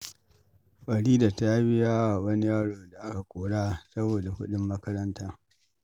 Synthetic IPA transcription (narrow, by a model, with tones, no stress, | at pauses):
ɸʼɐ˨ɽiː˦da˨ta˦ja˦bɪ˦jaː˦wa˨wɐ˦ni˦jaː˦ɽoː˨da˨ʔa˦ka˨kʷʼoː˨ɽaː˦sɐ˦boː˨da˨hʊ˦ɗɪ˦mːɐ˦kɐ˦ɾɐ˦ntaː˦